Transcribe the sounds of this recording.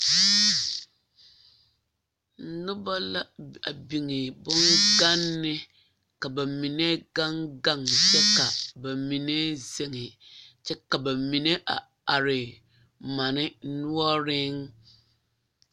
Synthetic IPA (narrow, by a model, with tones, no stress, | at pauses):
n̩˨˦nʊ˦ba˦la˦a̰˨bi˨ŋɪ˨bʊ˦ŋɡa˦nːɪ˦ | ka˨ba˨mi˨ne˦ɡa˦ŋɡa˦˨ŋ˨t͡ʃɛ˦ka˨ba˨mi˨ne˦ze˦ŋɪ˨t͡ʃɛ˦ka˨ba˨mi˨ne˦ʔa̰˨ | a˨ɾɪ˨ | ma˨nɪ˦nʊ˦ɔ˦ɾɪ˦ŋ